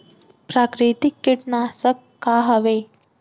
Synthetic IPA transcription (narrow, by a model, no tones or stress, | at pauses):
pɾaːkɾit̪ikːiʈnaːsəkːaːɦɐʋe